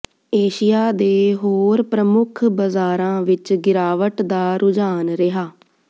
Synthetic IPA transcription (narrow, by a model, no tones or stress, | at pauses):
eːʃɪjaːd̪eːɦoːɾpɾəmʊkʰbəzaːɾãːʋɪt͡ʃɡɪɾaːʋəʈd̪aːɾʊd͡ʒaːnɾɪɦaː